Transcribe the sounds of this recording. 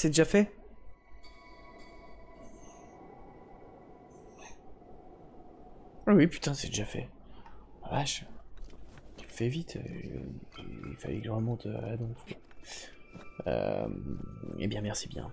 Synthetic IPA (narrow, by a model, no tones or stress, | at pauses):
sɛd̪eʒafɛ | wiwipy̥t̪ɛ̃sɛd̪eʒafɛ̰ | vaʃ | t̪y̥lfɛvit̪ʰø̰ | ḭlfa̰lɛkʒʁəmɔ̃t̪ʰəa̰lad̪ɔ̃fu̥kwa | ø̰ | ḛbjɛ̃mɛʁsibjɛ̰̃